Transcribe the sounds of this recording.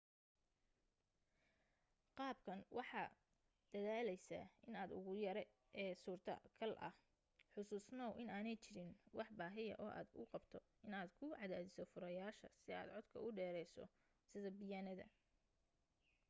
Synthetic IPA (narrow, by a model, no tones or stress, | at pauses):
qɑːbkʰɐnwʔɑħɑ | d̪̥ɐðaːlɛjsɐ̰ɪnaːd̪ʊ̰ɣʊjɐɾɛ | ʔɛːsuːrt̪ʰɐ̰kʰɐlʔɐ̰h | ħʊsuːsnɔwʔɪnaːnɛjt͡ʃɪɾɪnwʔɑħbaːɦɪjɐ̰ʔɔːʔa̰ːd̪ʊ̰qɑbt̪ʰɔ | ɪnaːd̪kʰʊʕɑðaːðɪsɔfʊɾɐjaːʃɐ̰sɪa̰ːd̪ʕɔd̪kʰɐ̰ʊɖɛːɾɛjsɔ̰ | sɪðɐbɪjaːnɐðɐ̰